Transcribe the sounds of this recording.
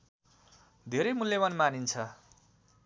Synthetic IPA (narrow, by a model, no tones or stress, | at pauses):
d̪ʱeɾejmuljʌmanmanint͡sʰʌ